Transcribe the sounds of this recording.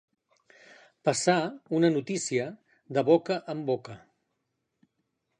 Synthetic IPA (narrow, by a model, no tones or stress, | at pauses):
pəsaunənut̪isiə | ðəβokəʔəmbokə